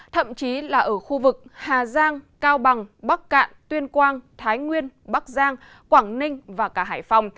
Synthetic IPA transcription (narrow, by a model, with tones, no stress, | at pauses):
t̪ʰə̰˧˨mt͡ɕi˨˦laː˨˩ʔəː˧˩xu˧vɨ˨˩k̚haː˨˩zaː˧ŋkaː˧wɓa˨˩ŋɓa˦˥k̚ka̰ː˧˨nt̪wi˧ənkwaː˧nt̪ʰaː˨˦jŋwi˧ənɓa˦˥k̚zaː˧ŋ | kwaː˧˩ŋnï˧ŋ̟vaː˨˩kaː˧˩ɦaː˧˩jfa˨˧wŋ͡m